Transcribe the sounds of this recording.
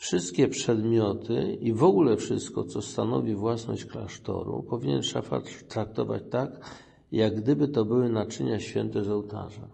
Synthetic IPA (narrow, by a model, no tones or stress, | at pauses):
fʂɘst̪kʲɛpʂɛd̪mʲjɔt̪ʰɘivɔɡulɛfʂɘst̪kɔt̪sɔst̪anɔvʲivwasnɔɕt͡ɕklaʂt̪ɔ̰ɾṵpɔvʲiɲɛnʂafa̰tt̪ɾak̚t̪ɔva̰t͡ɕt̪ak | jaɡːd̪ɘbɘt̪ɔbɘwɘnat͡ʂɘɲaɕfʲjɛnt̪ɛzɔwt̪a̰ʐa